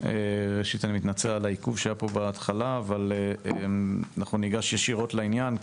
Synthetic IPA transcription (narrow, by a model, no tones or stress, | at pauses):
eʁeʃitanimit̪nat͡sealaikuvʃeaːjapo̞beːt̪χalaːvaleeanaχnuniɡaʃjeʃiʁo̞tlainjan